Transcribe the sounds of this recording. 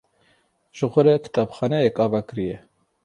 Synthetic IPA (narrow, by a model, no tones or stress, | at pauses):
ʒ̥ɨxʷɔɾɛkʰɨ̥t̪ʰɑːbxɑːnɛjekʼɑːvakɨɾijɛ